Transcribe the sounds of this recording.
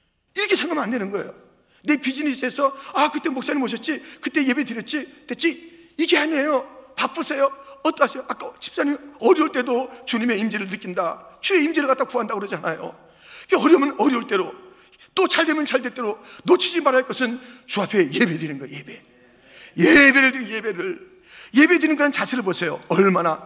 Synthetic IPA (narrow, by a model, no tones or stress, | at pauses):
iɾʌkʰe̞sʰaŋɡamɯnandwe̞nɯnɡʌḛjo | ne̞pid͡ʑinisʰe̞sʰʌakɯt͈emok̚s͈aɲimoɕʰʌt̚t͡ɕ͈ikɯt͈e̞je̞bedɯɾjʌt̚t͡ɕ͈id̥et̚t͡ɕ͈i | iɡeanejopap͈ɯsʰejoʌt͈ʌasʰejoʔak͈at͡ɕʰi̥ps͈aɲimʌɾjiuɭt͈e̞dot͡ɕuɲime̞imd͡ʑiɾɯɭnɯk͈indat͡ɕue̞imd͡ʑiɾɯɭk͈at͈akuɦandakɯɾʌd͡ʑiɦanajo̰ | kɡeʌɾjʌmjʌnʌɾjʌuɭt͈ʼe̞ɾo | t͈ot͡ɕaɭdemjʌnt͡ɕaɭde̞t͈eɾonot͡ɕʰid͡ʑimaɾaɭk͈ʌsʰɯnt͡ɕuapʰejebedinɯnɡʌjebe̞ | jebe̞ɾɯɭdɯje̞be̞ɾɯɭ | je̞be̞dɯniɯnɡʌnɯnt͡ɕasʰeɾɯɭbosʰe̞joʌɭmana